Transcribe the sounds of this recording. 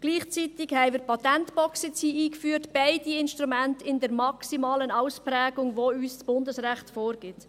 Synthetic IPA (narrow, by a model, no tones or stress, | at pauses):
ɡ̥liːχt͡sitɪɡhɛɪmɪɾpʰɑt̪ɛntb̥ɔksɪt͡siːiːkfyːɾtb̥ɛɪd̥iɪnʃtʁumæntɪndɛɾmɑksimɑːlənaʊspɾæːɡʊŋʋoyːst͡sb̥ʊndəsʁæχtfoːɾɡ̥ɪt